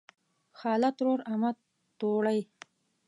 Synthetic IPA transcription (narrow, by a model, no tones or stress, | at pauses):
xɑːlat̪ɾoɾama | t̪oɽaj